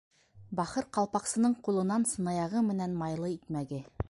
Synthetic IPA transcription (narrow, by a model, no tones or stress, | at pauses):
bɑχɤɾqɑlˠpɑqsɤ̆nɤɴqulˠɤ̆nɑnsɤ̆nɑjɑʁɤmɘ̆nænmɑjlˠɤit̪mæɡɘ